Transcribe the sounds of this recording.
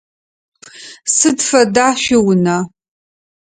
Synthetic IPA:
sɨdfɐdaːʃɪwʊnaː

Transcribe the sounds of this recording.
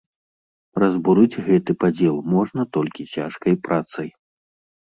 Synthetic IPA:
rɐzbuɾɨd͡zʲɣɛt̪ɨpad͡zʲɛlˠmɔʐnɐt̪ɔlʲkʲit͡sʲaʂkɐjpɾʔat̪sɐj

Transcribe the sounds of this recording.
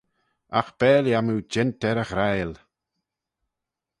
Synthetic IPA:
a̰xb̥ɛːljamuwd͡ʒɪntɛɾəxɾajl

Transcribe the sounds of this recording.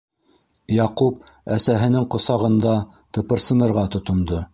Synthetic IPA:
jɑqup̚æsæɦɘ̆nɘŋqŏsɑʁɤ̆nd̪ɑ | t̪ɤ̆pɤ̆ɾsɤ̆nɤ̆ɾʁɑt̪ŏt̪ŏnd̪o

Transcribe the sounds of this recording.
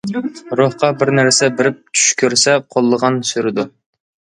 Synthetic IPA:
ɾohqɑbɪɾnæɾsɛbɪɾɪp̚t͡ʃ̪ʰy̥ʃkʲʰøɾsɛqʰolˠːəʁɑnsyɾɪd̪u

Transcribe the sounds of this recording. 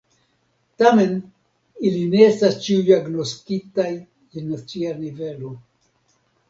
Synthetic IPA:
tame̞n | iline̞estast͡ʃiujaɡno̞skitaj | enːat͡sianive̞lo̞

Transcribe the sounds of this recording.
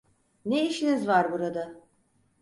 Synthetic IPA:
neiʃinizvaɾbuɾad̪a

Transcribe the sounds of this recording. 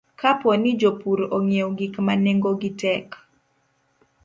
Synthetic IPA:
kʰaponɪd͡ʒopuɾoŋewɡikmaneŋɡoɡitɛk

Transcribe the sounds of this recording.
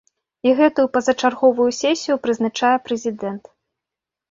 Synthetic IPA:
iɣɛt̪ujupɐzɐt͡ʂarɣɔvujusʲɛsʲijupɾɨznat͡ʂajɛpɾɛzʲid̪ɛnt̪

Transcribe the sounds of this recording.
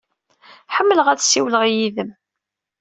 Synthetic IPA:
ħəmːələʁæðsːiwləʁjiðəm

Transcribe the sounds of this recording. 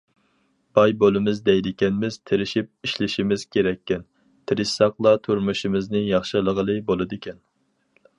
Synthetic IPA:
b̥ɑjbolˠɨmɨzd̪ɛjd̪ɪkʲɛnmɪz̥t̪ʰeɾɪʃip̚iʃlɪʃimɪz̥kʲʰeɾɛkʲːɛn | t̪ʰɪɾɪʃsɑqlˠɑt̪ʰuɾmuʃimɨznɨjɑχʃɨlˠəʁəlˠɨbolˠɨd̪ɨkʲʰɛn

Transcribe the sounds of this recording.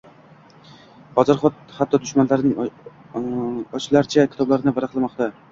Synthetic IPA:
bɒzaɾχɒt̪̚hat̪ʰːɒd̪ʊʃmanlaɾɪnɪŋ | ɒt͡ʃlaɾt͡ʃʰakʲʰɪ̥t̪ɒblaɾɪnɪvaɾaqlˠamɒqt̪a

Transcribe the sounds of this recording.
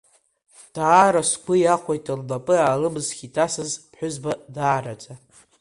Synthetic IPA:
d̥aːɾasɡʷʊjaχʷojtʼɨllapʼɨaːlɨmɨzɡʲitʰasɨzpʰħᶣʷʊzbadaːɾad͡zʼa

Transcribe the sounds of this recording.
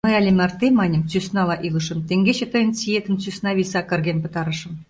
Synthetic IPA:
mɤ̆jælʲemʲært̪ʲemɑnʲəmt͡sysnɑlˠɑʔilˠɤ̆ʃə̆mt̪eŋɡʲeɕĕt̪ɤ̆jə̆nt͡sijet̪ɘ̆mt͡sysnɑβʲisɑkɘ̆rɡʲenpɤ̆t̪ɑɾɤ̆ʃɤ̆m

